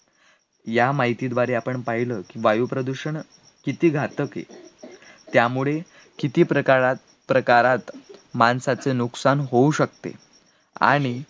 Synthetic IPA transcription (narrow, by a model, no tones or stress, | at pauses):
jamaɦit̪iːd̪ʋaɾeapəɳpaɦiləkiːʋajupɾəd̪uɕəɳ | kit̪iːɡʱat̪əkḛ | t̪jamuɭe | kit̪iːpɾəkaɾat̪ | pɾəkaɾat̪mansat͡senuksanɦouɕəkt̪ḛ | a̰ɽ̃i